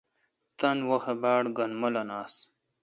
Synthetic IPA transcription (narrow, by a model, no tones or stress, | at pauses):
t̪ɐnwohebaːɽɡɐnmɐlɐnaːs